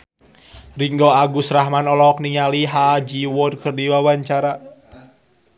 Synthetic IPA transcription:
riŋɡɔaɡusraɦmanɔlɔk̚niŋaliɦad͡ʒiwɔrkɨrdiwawaɲt͡ʃaɾa

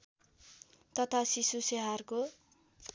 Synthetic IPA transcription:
t̪ʌt̪ʰasisuseɦarko

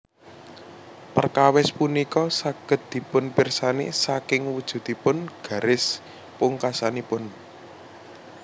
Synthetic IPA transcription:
pərkawɛspunikɔsaɡ̥ə̤t̪̚d̪̥i̤pʊnpirsanḛsakɪŋwud̥ʒ̥ṳd̪̥i̤pʊnɡ̥ä̤ɾɪs | pʊŋkasanipʊn

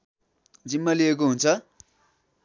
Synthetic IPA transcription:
d͡zimːʌliek̬oɦunt͡sʰʌ

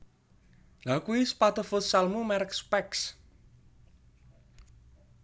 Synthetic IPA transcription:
lakuwispat̪ofʊt̪salmumɛɾkspɛks

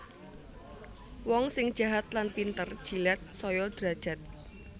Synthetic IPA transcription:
wɔŋsɪŋ̥ʒ̥ä̤ɦat̪̚lanpint̪ərd̥ʒ̥ilɛt̪̚sɔjɔd̪̥ɾa̤d̥ʒ̥a̤t̪̚

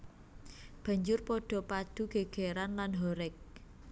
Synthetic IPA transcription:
b̥ä̤ɲd͡ʒʊrpɔɖ̥ɔ̤pad̪̥ṳɡ̥e̤ɡ̥e̤ɾanlanɦɔɾɪk̚

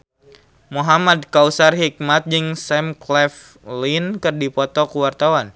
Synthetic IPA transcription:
muɦamadkausarɦik̚mat̪̚d͡ʒɨŋsɛmklɛf | linkɨrdipɔt̪ɔkuwart̪awan

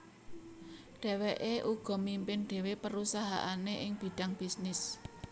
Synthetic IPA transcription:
ɖ̥e̤weʔeʔuɡ̥ɔ̤mimpɪnɖ̥e̤wepəɾusaɦa̰ʔaneʔɪŋb̥i̤ɖ̥a̤ŋb̥isnɪs

